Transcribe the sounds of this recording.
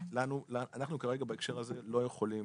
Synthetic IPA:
lanulaanaχnukaʁeɡabaekʃe̞ʁaze̞lo̞je̞χo̞lim

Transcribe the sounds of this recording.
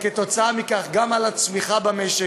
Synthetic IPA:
ket̪o̞t͡saamikaχɡamalat͡smiχabameʃe

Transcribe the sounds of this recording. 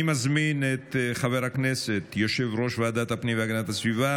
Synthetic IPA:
imazminet̪χaveɾhakneset̪joʃevʁo̞ʃvead̪at̪hapnimveaɡanat̪hasviva

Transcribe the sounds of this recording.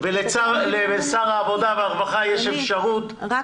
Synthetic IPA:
velet͡salevesaʁaːvod̪aveaʁvaχajeʃefʃaʁut̪

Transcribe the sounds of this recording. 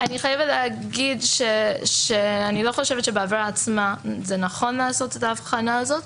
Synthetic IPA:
aniχajevetleaɡidʃeʃeanilo̞χo̞ʃevetʃebeavɾaːt͡smazenaχo̞nlaːso̞tetaːfχanaːzo̞t

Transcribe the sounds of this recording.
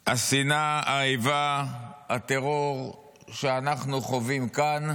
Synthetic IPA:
asinaaivaat̪eʁoʁ | ʃeanaχnuχovimkan

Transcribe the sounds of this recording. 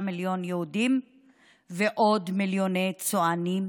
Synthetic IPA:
miljo̞njeudim | veʔodmiljo̞nejt͡soanim

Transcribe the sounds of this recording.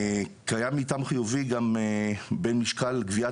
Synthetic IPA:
kajamitamχijuviɡamebenmiʃkalɡvia

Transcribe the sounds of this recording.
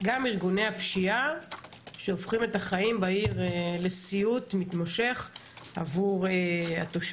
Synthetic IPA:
ɡamiʁɡune̞hapʃia | ʃeofχime̞taχaimbaiʁle̞siutmitmoʃe̞χa̰vuʁea̰t̪oʃ

